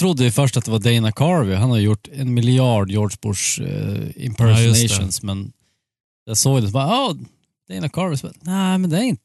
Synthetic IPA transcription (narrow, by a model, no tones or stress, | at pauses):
t̪ʰɾʊd̪ːəjʏfœʂʈat̪d̪ɛvaɖɛɪnakʰɑːɹvɪɦanhaɾjəjʊʈːɛnmɪlɪɑːɖjoːɖʂbʊ̰ʂ | ɪ̰mpʰɛɾsɪɛɪʃʊ̰nsmɛn | d̪̥ɛsoːɡd̪ɛsɔbɑɾɑː | d̪̥ɛɪnakʰɑːɹvɪsnæmɛnd̪ɛæɾɪnt̪ə